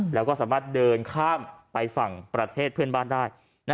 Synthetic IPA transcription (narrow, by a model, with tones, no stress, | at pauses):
lɛː˦˥wkɔː˥˩saː˩˦maː˥˩t̪̚dɤː˧nkʰaː˥˩mpa˧jfa˨˩ŋpɾa˧t̪ʰeː˥˩t̪̚pʰɯ˥˩ənbaː˥˩ndaː˥˩j | n˥